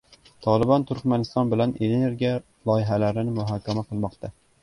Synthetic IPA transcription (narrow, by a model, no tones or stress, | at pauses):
t̪ʰɒlˠɪbɑnt̪ʰʊɾkʲmænɪst̪ɑnbɪlanʔeneɾɡʲia | lˠɒjɪɦælaɾɪnɪmʊɦɑːkʲʰæmaqʰɨlˠmɒqt̪ʰa